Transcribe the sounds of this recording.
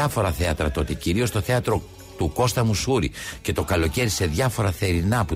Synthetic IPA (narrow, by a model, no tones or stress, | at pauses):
ɐfo̞ɾɐθe̞ɐt̪ɾɐt̪o̞t̪iciɾio̞st̪o̞θe̞ɐt̪ɾo̞ | t̪uko̞st̪ɐmusuɾḭce̞t̪o̞kɐlo̞ce̞ɾise̞ðʝɐfo̞ɾɐθe̞ɾinɐpu